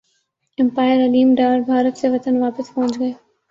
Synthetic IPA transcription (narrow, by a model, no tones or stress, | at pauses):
ɪ̃mpaːɪəɾɐliːmɖaːɾbʱaːɾət̪seʋɐt̪ənʋaːpɪspɔɦʊ̃t͡ʃɡɐeː